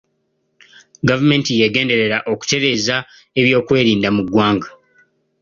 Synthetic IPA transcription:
ɡavume̞ːntijeɡe̞ːnde̞ɾe̞ɾaʔo̞ku̥te̞ɾe̞ːza | e̞βjo̞ːkwe̞ːɾiːndamuɡwaːŋɡa

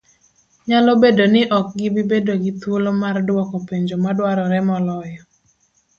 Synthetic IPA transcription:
ɲalobedonɪʔɔk̚ɡɪbɪbedoɡɪt̪wolomardwɔkopeɲd͡ʒomadwaɾɔɾɛmɔlɔjɔ

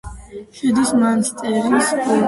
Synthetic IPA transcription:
ʃɛd̪ismanst̪sʼɛɾisɔ

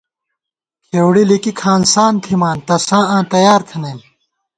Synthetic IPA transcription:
keːwɽilikikʰaːnsaːnt̪ʰimaːnt̪ɐsãːãːt̪ɐjaːɾt̪ʰɐnɐjn

